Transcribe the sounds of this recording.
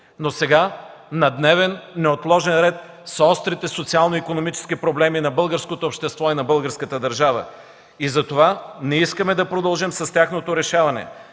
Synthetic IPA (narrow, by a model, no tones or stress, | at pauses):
nosɛɡa | nɐd̪nɛvɛnːɛot̪lˠɔʒɛnɾɛt̪ | sɔst̪ɾit̪ɛsot̪sialˠnoikonomit͡ʃɛ̥skipɾoblɛminɐbɤlˠɡəɾskot̪oːpʃt̪ɛst̪vɔinɐbɤlˠɡəɾskət̪əd̪ɐɾʒavə̰ | izɐt̪ovanɛiskəmɛd̪ɐpɾod̪ɐlˠʒimsɐst̪ʲjaxnot̪oɾɛʃavɐnɛ̰